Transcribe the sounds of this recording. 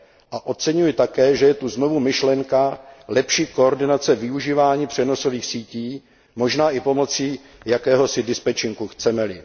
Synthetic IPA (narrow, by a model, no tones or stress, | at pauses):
ʔaʔo̞t͡sɛɲujɪt̪akɛːʒɛjɛt̪uzno̞vumɪʃlɛŋkalɛpʃiːko̞oɾdɪnat͡sɛvɪuʒiːvaːɲiːpr̝̥ɛno̞so̞viːxsiːciː | mo̞ʒnaːʔɪpo̞mo̞t͡siː | jakɛːɦo̞sɪdɪspɛt͡ʃɪŋkuxt͡sɛmɛlɪ